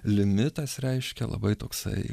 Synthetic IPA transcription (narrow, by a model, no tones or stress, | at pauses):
lʲɪmʲɪt̪ɐsɾʲɛɪʃʲkʲɛ̰lˠɐ̰bɐɪt̪oːksɐ̰ɪ